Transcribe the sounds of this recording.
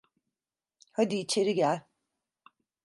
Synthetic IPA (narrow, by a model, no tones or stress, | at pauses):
had̪iːt͡ʃʰe̞ɾiɡælʲ